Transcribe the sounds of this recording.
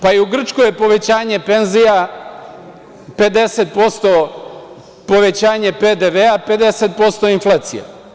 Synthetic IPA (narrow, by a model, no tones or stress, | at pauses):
paiuɡr̩t͡ʃkojepo̞ʋe̞t͡ɕaːɲe̞penzija | pe̞d̪e̞set̪̚po̞st̪o | po̞ʋe̞t͡ɕaːɲe̞ped̪eʋeape̞d̪e̞set̪̚po̞st̪o̞inflˠaːt̪sḭja̰